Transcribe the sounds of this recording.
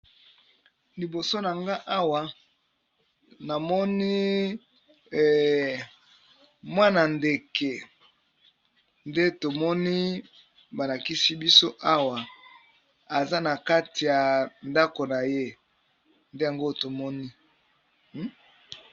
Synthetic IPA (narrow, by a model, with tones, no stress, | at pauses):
li˨bo˨so˦na˨ŋɡa˦ʔa˦wa˨ | na˨mɔ˦ni˦˨ | mwa˦na˨nde˨ke˨ | nde˦to˨mɔ˦ni˦ | ba˨la˨ki˦si˦bi˦so˦ʔa˦wa˨ | a˨za˦na˨ka˦ti˨ja˨nda˦ko˨na˨je˦ | nde˦ja˨ŋɡo˦to˨mɔ˦ni˦